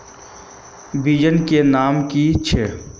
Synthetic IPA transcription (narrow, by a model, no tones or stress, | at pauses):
bid͡ʒənkenaːmkit͡ʃʰe